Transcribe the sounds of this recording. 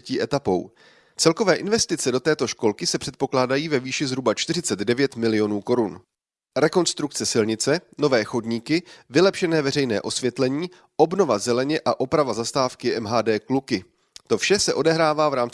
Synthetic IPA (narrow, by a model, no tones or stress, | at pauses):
ciːʔɛt̪apo̞w | t͡sɛlko̞vɛːʔɪnvɛst̪ɪt͡sɛdo̞t̪ɛːt̪o̞ʃko̞lkɪsɛpr̥ɛt̪po̞klaːdajiːvɛviːʃɪzɦɾubat͡ʃt̪ɪrɪt͡sɛd̪dɛvjɛt̪mɪlɪjo̞nuːko̞ɾun | ɾɛko̞nst̪ɾuk̚t͡sɛsɪlɲɪt͡sɛno̞vɛːxo̞dɲiːkɪvɪlɛpʃɛnɛːvɛrɛjnɛ̰ːʔo̞svjɛt̪lɛɲiː | ʔo̞bno̞vazɛlɛɲɛʔaʔo̞pɾavazast̪aːfkɪʔɛmɦaːdɛːklukɪ | t̪o̞fʃɛsɛʔo̞dɛɦɾaːvaːvɾaːm